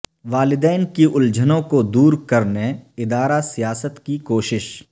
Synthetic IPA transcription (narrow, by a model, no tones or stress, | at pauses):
ʋaːlɪd̪ɛːnkiʔʊld͡ʒənõkod̪uːɾkɐɾneɪd̪aːɾasijaːsət̪kikoːʃɪʃ